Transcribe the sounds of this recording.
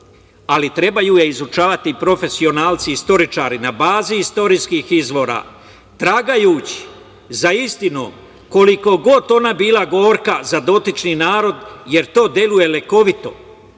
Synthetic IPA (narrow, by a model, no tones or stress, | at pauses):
alit̪ɾe̞bajujeizut͡ʃaːʋat̪ipɾo̞fe̞sio̞naːlˠt̪siist̪o̞ɾit͡ʃaːɾinabaːziist̪o̞ɾiːskiːxizʋo̞ːɾa̰ː | t̪ɾaɡajuːt͡ɕi̥ | zaist̪ino̰ː | ko̞liko̞ɡo̞t̪o̞nabiːlaɡo̞ːɾkazad̪o̞t̪it͡ʃniːnaːɾo̞d̪je̞ɾt̪o̞ːd̪je̞luje̞leko̞ʋit̪o̞